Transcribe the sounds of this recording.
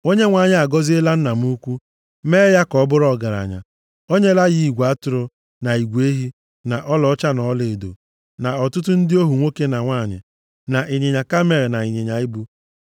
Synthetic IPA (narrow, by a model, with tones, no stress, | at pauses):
o˦ɲe˦ŋʷa˨ɲɪ˦a˨ɡɔ˦zɪ˦e˦la˦n̩˦na˨m˦u˦kʷu˦ | me˦ja˦kɔ˨˦bʊ˦ɾɔ˨ɡa˨ɾa̰˨ɲa̰˨ | o˦ɲe˦la˦ji˦i˨ɡʷa˦tʊ˨ɾʊ˨ | na˨i˨ɡʷe˦ɦi˦ | na˨ʔɔ˦lɔ˨˦t͡ʃa˦nɔ˨˦le˨do̰˨ | na˨ɔ˨tʊ˦t̬ʊ˦n̩˦dɪ˦o˦ɦu˨ŋʷo˦ke˦na˨ŋʷa˦˨ɲɪ̰˨ | na˨ʔi˨ɲe˨ɲa˨ka˦me˨ɾe˨na˨i˨ɲe˨ɲa˨i˦bu˦